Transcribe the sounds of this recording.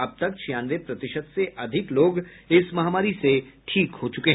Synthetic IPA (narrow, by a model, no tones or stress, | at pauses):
ɐb̚t̪ɐkʃjaːnʋepɾɐt̪ɪʃəd̪seʔɐd̪ʱɪkloːɡɪsmɐɦaːmaːɾiseʈʰiːkɦoːt͡ʃʊkeɦ